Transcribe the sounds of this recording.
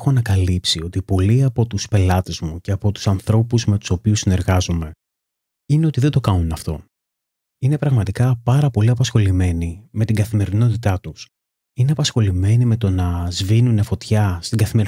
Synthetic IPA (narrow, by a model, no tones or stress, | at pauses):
xonɐkɐlipsio̞t̪ipo̞liɐpo̞t̪uspe̞lɐt̪e̞zmuce̞ɐpo̞t̪u̥sɐnθɾo̞puzme̞t̪u̥so̞piusine̞ɾɣɐzome̞ | ine̞o̞t̪iðed̪o̞kɐnunɐft̪o̞̰ | ine̞pɾɐɣmɐt̪ikɐpɐɾɐpo̞liɐpɐsxo̞lime̞nime̞t̪iŋɡɐθime̞ɾino̞t̪it̪ɐt̪us | ineɐpɐsxo̞lime̞nime̞t̪o̞nɐzvinunefo̞t̪çɐst̪iŋɡɐθimeɾ